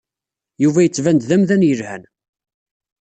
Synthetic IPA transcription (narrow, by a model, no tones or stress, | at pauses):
juvæjət͡sːvænd̪ðæmðænjəlhæ̰n